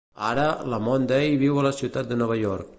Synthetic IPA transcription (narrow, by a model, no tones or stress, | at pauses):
aɾələmond̪ejβiwələsiwt̪at̪̚d̪ənɔβ̞əʎɔɾk̚